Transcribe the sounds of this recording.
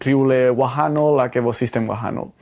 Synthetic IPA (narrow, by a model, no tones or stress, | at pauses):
ɾiulewaɦanolakeβosist̪emwa̰ɦa̰no̰l